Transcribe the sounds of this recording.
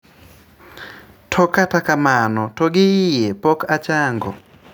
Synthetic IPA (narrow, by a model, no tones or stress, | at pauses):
tʰɔkatakamanɔtɔɡɪijɛpɔkat͡ʃaŋɡɔ̰